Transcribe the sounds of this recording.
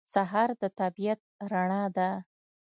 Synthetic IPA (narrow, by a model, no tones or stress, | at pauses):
saɦɑɾd̪ət̪abijat̪̚ɾaɳɑd̪a